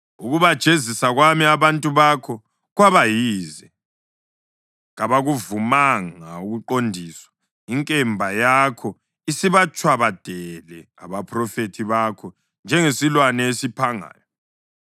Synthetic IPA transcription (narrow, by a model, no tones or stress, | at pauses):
uɣuβad̥ʒ̥ʼʱezisaɣwamiaβantʼuβakʰɔ | ɣwaβajiːzɛ | ɣaβaɣuvumaŋauɣuǃondʱiːswḁ | iŋkʼɛmbʱajakʰɔ | isiβat͡ʃʼwaβad̥ʱɛlɛ | a̰βapʰrɔfetʰiβakʰɔ | nd͡ʒʱɛŋesilwanɛesipʰaŋa̰ːjɔ